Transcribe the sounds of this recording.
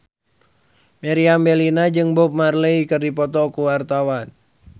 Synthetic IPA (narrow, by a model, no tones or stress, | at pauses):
meɾiambelinad͡ʒɨŋbɔp̚marleikərdipɔt̪ɔkuwart̪awan